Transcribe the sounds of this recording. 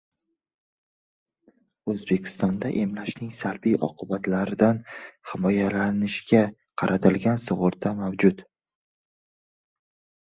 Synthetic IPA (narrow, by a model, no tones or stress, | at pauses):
ɵzbe̞kʲʰɪ̥st̪ɒnd̪aʔe̞mlaʃnɪŋsalbijʔɒ̰qʰɨbat̪ʰlaɾɪd̪anhɪmɒjalanɪʃɡʲa | qʰɑɾʔat̪ʰɪlɡʲansʊʁʊɾd̪amawd͡ʒʊt̪